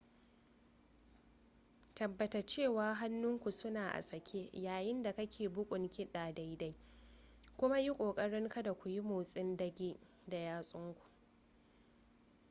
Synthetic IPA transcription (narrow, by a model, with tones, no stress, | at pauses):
tɐ˨bːɐ˨ta˨t͡ʃeː˦˨waː˦ɦa˦nːʊ˦ŋkʷu˨sʊ˦naː˨ʔa̰˨sɐ˨kʲʰeː˦jaː˨jɪ˦nda˨kɐ˦kʲʰeː˨bʊ˦kʷʼʊ˨ŋkʲɪ˦ɗaː˨da˦jda˦j | kʷʊ˦ma˦ji˦kʷʼoː˨kʼɐ˦ɽɪ˦ŋka˦da˨kʷu˨ji˦moː˨sʼɪ˦ndɐ˦ɡʲeː˦ | da˨jaː˦sʼʊ˦ŋkʷu̥˨ʔ